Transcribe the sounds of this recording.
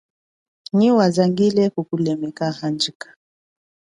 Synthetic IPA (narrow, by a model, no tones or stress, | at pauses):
ɲiwazaŋɡilɛkukulɛmɛkahand͡ʒikḁ